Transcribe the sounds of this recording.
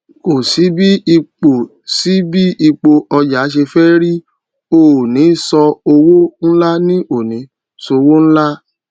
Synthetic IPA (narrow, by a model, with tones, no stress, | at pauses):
o˨si˨˦bi˦i˧k͡po˨ | si˨˦bi˦i˧k͡po˧ʔɔ˧d͡ʒa˨˦ʃ̬e˧fɛ˦ɾi˦ | o˨nĩ˨˦sɔ˧o˧wo˦n̩˦la˦nĩ˦ʔo˨nĩ˨˦ | so˧wo˦ñ̩˦la˦